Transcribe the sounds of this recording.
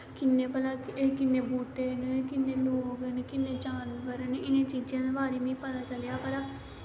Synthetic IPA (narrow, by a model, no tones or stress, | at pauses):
kɪnːeːpəlaːkɪnːeːbuːʈeːnekɪnːeːloːɡenekɪnːeːd͡ʒaːnbəɾneɪnẽːt͡ʃiːd͡ʒãːd̪eːbaːɾeːmẽːpət̪aːt͡ʃəlejaːpəɾaː